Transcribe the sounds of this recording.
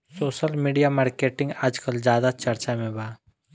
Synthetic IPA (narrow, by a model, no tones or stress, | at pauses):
soːʃəlmiːɖijamaːɾkeːʈɪ̃ŋɡaːd͡ʒkəlzjaːd̪at͡ʃɐɾt͡ʃamẽbaː